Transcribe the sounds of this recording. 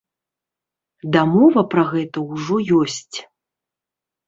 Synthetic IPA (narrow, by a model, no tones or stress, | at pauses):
d̪amɔvɐpɾɐɣɛt̪ɐwʐɔjɔsʲt͡sʲ